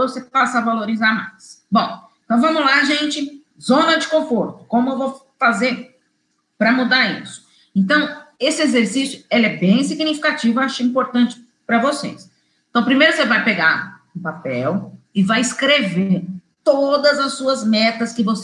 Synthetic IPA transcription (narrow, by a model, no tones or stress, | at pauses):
osepasɐvaloɾizaɾmajsbõw̃ẽt̪ɐ̃w̃vɐ̃mʊlaʒẽnt͡ʃɪ | zõnɐd͡ʒɪkõfoɾt̪ʊ̥kõmʊewvow | fazeɾ | pɾɐmud̪aɾḭsʊ̥ | ẽnt̪ɐ̃w̃esɪezeɾsisjʊelɛbẽj̃siɡnifi̥kat͡ʃivʊaʃʊĩmpoɾt̪ɐ̃nt͡ʃɪ̥ | pɾɐvosḛs | ẽt̪ɐ̃w̃pɾimejɾʊsevajpeɡa̰ɾũpapɛwɪvajɪskɾeveɾ | t̪od̪ɐzɐsːuɐzmɛt̪ɐskɪvos